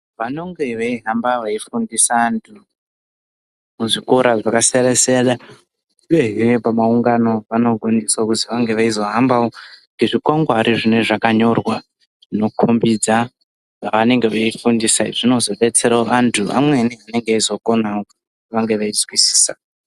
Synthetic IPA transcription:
ʋano̞ŋɡe̞ʋeiɦambaʋaifundisaːntʰu | muʐikoɾaʐakaseɾeseɗa | ieɦiepamauŋɡano̞ʋano̞ɡʱo̞niswakutiʋaŋɡe̞ʋaizo̞ɦambaoŋɡeʐikwaŋɡɦaɾʔiʐine̞ʐakaɲo̞rwa | ʐ̥ino̞kʰombid͡za | aʋane̞ŋɡe̞ʋaifundisaiʐ̥ino̞zo̞ɓe̞t͡se̞ɾaoʔantʰuʔa̰mweniane̞ŋɡeaizo̞ko̞naoku̥t | iʋaŋɡe̞ʋaid͡zwisi̥ːsa

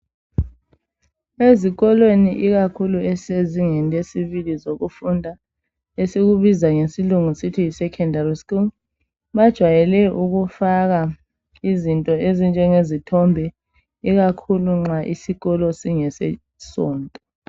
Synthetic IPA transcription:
eziɣɔlweniʔiɣakʰuluɛseziŋɛnesiβilizoɣufundʱa | esiɣuβizaŋesiluŋusitʰiisɛkʰɛndʱariskuŋ | βad̥ʒ̥ʱwajɛlɛʔuɣufaɣa | izintʼɔezint͡ʃʼɛŋezitʰɔmbʱɛ | iɣakʰuluŋ͡ǁaʔisiɣɔlɔsiŋɛsɛ̰ | sɔːntʼɔ

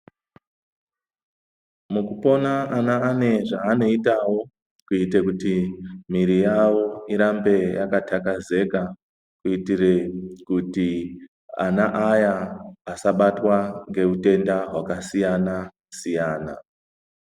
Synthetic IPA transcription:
mukupo̞naːnaːne̞ʐaːno̞itawo̞ | kuitekutimiɾijawo̞iɾambe̞ja̰katʰakaze̞ka | kuitirekuti | a̰naʔajaːsaɓatwaŋɡe̞ute̞ndaɦwakasijana | sijaːna

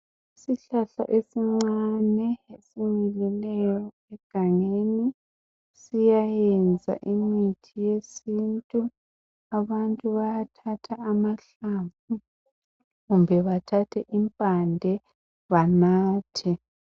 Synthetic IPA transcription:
isiɬaɬa̰ʔesiŋ͡ǀanɛesimilɛlɛjɔ | ɛɡ̥ʱaŋeni | sijajɛnd͡zʱa̰ʔimitʰijesintʼu | aβantʼuβajatʰatʰaːmaɬaɱvu | ɣumbʱɛβatʰatʰɛʔimpʼandʱɛ | βanaːtʰɛ

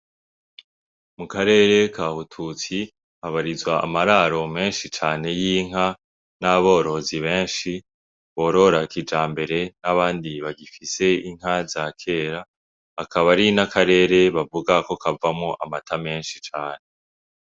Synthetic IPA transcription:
mukaɾe̞ːɾe̞kaːhutʰut͡si | aβaɾizwa̰ːmaɾaɾo̞me̞ːnʃit͡ʃaːne̞jiːŋ̥ɦa | naβo̞ːɾo̞ziβe̞ːnʃi | βo̞ːɾo̞ɾakid͡ʒaːmbe̞ɾe̞naβaːndiβaɡifise̞iŋ̥ɦazakʰe̞ːɾaː | kʰaβaɾinakaɾe̞ɾe̞βavuɡako̞kavamoʔamatʰame̞ːnʃit͡ʃaːne̞

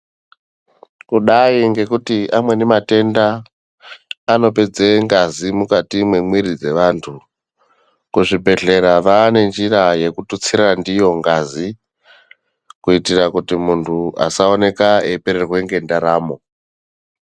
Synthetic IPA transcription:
kuɗaiŋɡe̞kutiʔamwe̞nemate̞nda | no̞pe̞d͡zeŋɡazimukatimwemwiɾid͡ze̞ʋantʰu | kuʐibʱe̞ɮe̞ɾaʋaːne̞nd͡ʒiraje̞kutut͡siɾandijo̞ŋɡazi | kuitirakutimuntʰua̰sao̞ne̞kaepeɾerwe̞ŋɡe̞ndaɾaːmo̞

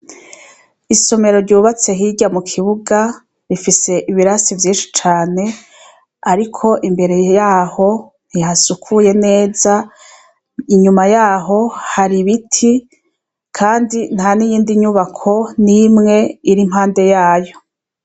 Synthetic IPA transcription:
iso̞me̞ɾo̞ɾɟuβat͡se̞ɦiɟamukʰiβuɡa | ɾifise̞ʔiβiɾasivjiːnʃi̥t͡ʃaːne̞ | aɾikʰo̞ʔimbe̞ɾe̞jaːho̞ | n̥hihasukʰuje̞ne̞ːza | iɲumajaːɦo̞haɾiβitʰi | kʰaːndin̥hanijiːndiɲuβakʰo̞nimŋe̞iɾim̥haːnde̞jaːjo̞

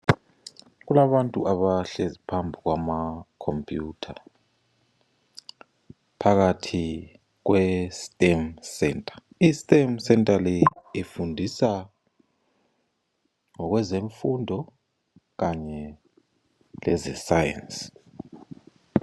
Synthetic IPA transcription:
ɣulaβantʼuʔaβaɬezipʰambʱiɣwamakʰompʼjutʰa | pʰaɣatʰi | ɣwɛstʼɛmsɛntʼḁ | istʼemsɛntʼalɛifundʱisa | ŋɔɣwɛzeɱfundʱɔ | ɣaɲɛ | lɛ̰zɛsajɛ̰ns

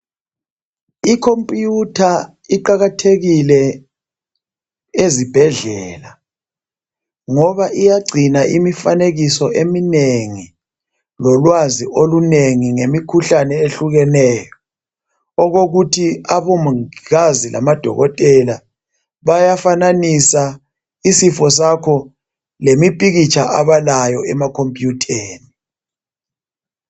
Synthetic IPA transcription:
ikʰompʼjutʰa | iǃaɣatʰeɣilɛ | ezib̥ʱɛɮɛːla | ŋɔβaʔijaɡ͡ǀʱinaʔimifaneɣisɔʔemineŋi | lɔlwaziʔoluneŋiŋemikʰuɬanɛeɬuɣɛnɛːjɔ | ɔɣoɣutʰiaβomuiɣazilʔa̰mad̥ʱɔ̰ɣɔtʼɛla | βajafananisa | isifɔs̬akʰɔ | lemipʼiɣit͡ʃʰʼaʔaβalajɔɛmakʰompʼjutʰeːni

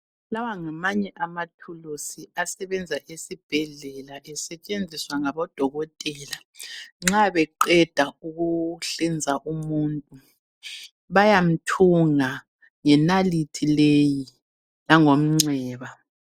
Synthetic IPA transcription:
lawaŋamaɲɛʔamatʰulusiasɛβɛnd͡zʱaʔesib̥ʱɛɮɛlaʔɛsɛt͡ʃʼend͡zʱiswaŋaβɔd̥ʱɔɣɔtʼɛːla | ŋ͡ǁaβɛǃɛd̥ʱauɣuɬɛnd͡zʱaʔumuntʼu | βajam̩tʰuŋa | ŋɛnalitʰileji | laŋom̩ŋ͡ǀɛːβa

